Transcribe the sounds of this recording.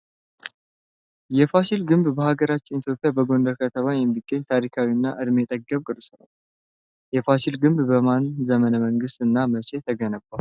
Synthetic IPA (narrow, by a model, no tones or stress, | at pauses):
jɛfasilɡɨmbbəhaɡəɾat͡ʃːɪnit̪jo̞pʼːijabəɡo̞nd̪əɾkʰət̪ʰəmajɛmːiɡːəɲt̪ʰaɾikʰawiɨnːaʔɨd̪met̪ʼəɡːəmkʼɨɾsnəw | jɛfasilɡɨmbbəmanzəmənəməŋɡɨst̪ɨnːamət͡ʃe̞t̪ʰəɡənəbal